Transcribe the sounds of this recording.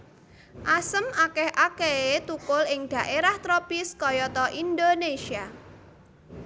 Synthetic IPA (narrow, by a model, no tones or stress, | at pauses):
ʔasəmakɛhʔakeet̪ukʊlɪŋɖ̥ä̤ʔeɾaht̪ɾɔpiskɔjɔt̪ɔʔind̪onesia